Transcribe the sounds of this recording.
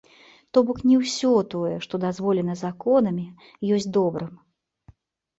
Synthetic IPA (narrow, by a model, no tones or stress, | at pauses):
t̪ɔbɔknʲiwsʲɔt̪ɔjɛʂt̪ɔd̪azvɔlʲɛnɐzakɔnɐmʲi | jɔsʲd̪ɔbɾɨm